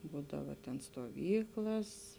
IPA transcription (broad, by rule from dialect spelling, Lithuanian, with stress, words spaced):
ˈbuːdɐʋɐ tʲɛn stoːˈʋʲiːklˠɐs